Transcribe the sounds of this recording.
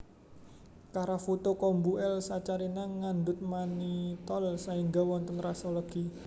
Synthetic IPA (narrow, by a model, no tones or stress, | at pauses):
kaɾafut̪okɔmbuɛlsat͡ʃaɾinaŋːand̪ʊt̪̚manit̪ɔlsahiŋɡawɔnt̪ənrasɔlɔɡ̥i